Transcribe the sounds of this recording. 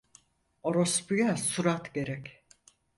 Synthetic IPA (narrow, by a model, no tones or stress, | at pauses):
oɾospyjasuɾat̪ɟe̞ɾɛc